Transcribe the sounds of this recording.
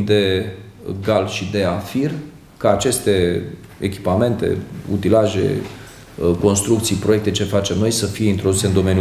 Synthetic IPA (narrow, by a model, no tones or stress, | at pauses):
d̪e | ɡalʃid̪e̞afir | kaːt͡ʃe̞st̪e | ḛkʲi̥pame̞nt̪e̞̰ṵt̪ilaʒḛ | ko̞nst̪ɾukt̪sijpɾo̞je̞k̚t̪e̞t͡ʃe̞fat͡ʃe̞mno̞jsəfije̞int̪ɾo̞d̪use̞ɨnd̪o̞me̞nju